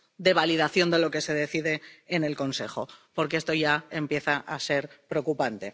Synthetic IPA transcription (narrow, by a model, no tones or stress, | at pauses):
d̪e̞β̞aliðaθjo̞nd̪e̞lo̞ke̞se̞ðeθiðe̞ːne̞lko̞nse̞xo̞̰po̞ɾkee̞st̪o̞ʝaempje̞θaʔase̞ɾpɾeokupant̪e̞